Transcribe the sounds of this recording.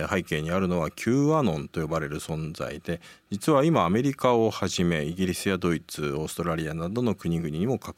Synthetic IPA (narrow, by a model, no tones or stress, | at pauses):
haike̞ːɲ̟iaɾɯ̟no̞β̞akʲʰɨːanõ̞nt̪o̞jo̞baɾe̞ɾɯ̟sõ̞nd͡za̰id̪e̞d͡ʑit͡sɨβaimaːme̞ɾʲikao̞haʑime̞iɡʲiɾʲisɨjad̪o̞it͡sɨo̞ːsɨ̥t̪o̞ɾaɾʲianad̪o̞no̞kɯ̟ɲ̟iɡɯ̟ɲ̟iɲ̟imo̞kḁk